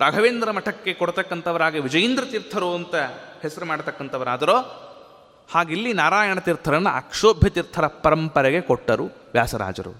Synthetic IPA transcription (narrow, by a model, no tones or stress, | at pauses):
ɾaːɡʱɐʋeːnd̪ɾɐmɐʈʰɐkːe̞kɔɽt̪ɐkːɐnt̪ʰɐʋɐɾaːɡeʋid͡ʒɐjɐnd̪ɾɐt̪iɾt̪ʰɐɾuɐnt̪ɐhɛsɐɾumaːɽt̪ɐkːɐnt̪ʰɐʋɐɾaːd̪ɐɾoː | haːɡilːinaːɾaːjɐɳɐt̪iɾt̪ʰɐɾɐnːɐɐ̰kʂoːbʱjɐt̪iɾt̪ʰɐɾɐpɐɾɐmpɐɾɛɡe̞kɔʈːɐɾu | ʋjaːsɐɾa̰ːd͡ʒɐ̰ɾṵ